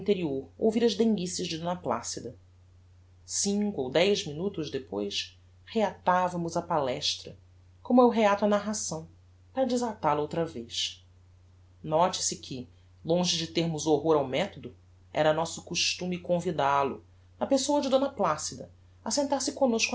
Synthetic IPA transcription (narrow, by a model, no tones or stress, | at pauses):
nt̪eɾioɾo̰wviɾɐʒd̪ẽŋɡisiɐʒd͡ʒɪd̪õnɐpla̰sid̪ɐ | sĩŋkuowd̪ɛjʒminut̪ʊʒd̪epojʃs | heat̪avɐmʊzɐpalɛʃt̪ɾɐ | kõmʊewɦeat̪uɐnaɦasɐ̃w̃ | pɾɐd͡ʒɪzat̪aɾɐowt̪ɾɐveʃ | nɔt͡ʃɪ̥sɪkʰɪ | lõʒɪd͡ʒɪt̪eɾmʊzoɦoɾawmɛt̪od̪ʊ | ɛ̰ɾɐnɔsʊ̥kuʃt̪ũmɪkõvid̪alʊ̰ | nɐpesowɐd͡ʒɪd̪õnɐplasid̪ɐ | ɐsẽnt̪aɾsɪkõnoʃk